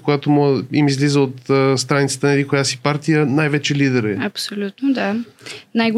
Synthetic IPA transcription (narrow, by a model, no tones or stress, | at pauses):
kojat̪omɔimizlizəot̪ːst̪ɾanit̪sə̥t̪ənɐlikojasipaɾt̪ijənajvɛt͡ʃɛlid̪ɛɾɛ̰ɐpsolʲut̪nod̪anajɡ